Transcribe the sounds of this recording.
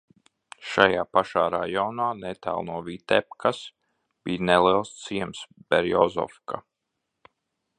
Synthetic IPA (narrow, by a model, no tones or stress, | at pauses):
ʃajaːpaʃaːɾa̰jɔnaːnɛt̪a̰ːlˠnuɔvit̪ɛpkʰas | b̥iːnɛliɛlˠst̪siɛmsb̥ɛɾjɔzɔ̰fka̰